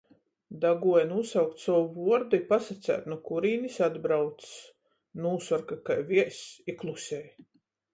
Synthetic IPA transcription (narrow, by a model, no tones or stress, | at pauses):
d̪aɡuɔjnusawk̚t̪sɔwuvuɔɾd̪ipasat̪sʲæ̰ːt̪nukuɾiːnisad̪bɾawt̪ss | nuːsɔɾkakajvʲiɛsiklˠusʲɛː